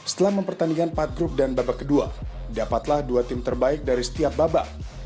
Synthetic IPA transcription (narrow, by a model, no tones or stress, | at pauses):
sə̥t̪əlahməmpərt̪anikanpat̪̚ɡɾup̚danbabakədua̰dapat̪lahduat̪ɪmt̪ərbaɪk̚daɾisə̥t̪iap̚baba